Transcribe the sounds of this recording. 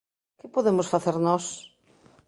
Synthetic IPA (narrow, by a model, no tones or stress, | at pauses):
kɪpoðemʊsfaθeɾnɔs